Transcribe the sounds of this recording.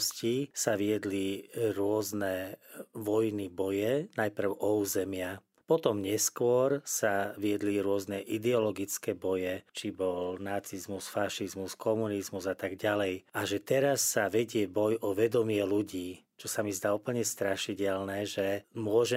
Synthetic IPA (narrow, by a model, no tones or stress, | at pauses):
scisaʋiɛd̪liɾʊɔznɛʋɔjnibɔjɛnajpr̩ʊʔɔuːzɛmɪa | pɔt̪ɔmɲɛskʊɔɾsaʋiɛd̪liɾʊɔznɛʔid̪ɛɔlɔɡit͡skɛːbɔjɛt͡ʃibɔlnat͡sizmusfaʃizmuskʰɔmunizmuzat̪aɡɟalɛjaʒɛt̪ɛɾasːaʋɛɟɪɛbɔjɔʋɛd̪ɔmɪɛluɟiː | t͡ʃɔsamizd̪aːupl̩ɲɛst̪ɾaʃicɛlnɛʒɛmʊɔʒɛ